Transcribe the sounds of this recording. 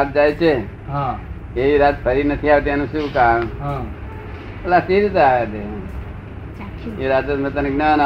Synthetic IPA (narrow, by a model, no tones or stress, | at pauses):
at̪̚d͡ʒajt͡ʃʰe | ɦã | eiɾat̪̚pʰəɾinət̪ʰiaʋet̪̬ijanũʃũːkamɦã | bəlasiɾit̪eaʋat̪e | eɾat̪əmə̃t̪ənəknəna